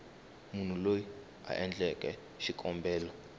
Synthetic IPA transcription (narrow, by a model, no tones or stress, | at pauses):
mun̤uloji | a̰ʔɛnd͡ɮɛkʼɛ | ʃikʼɔmbʱɛːlɔ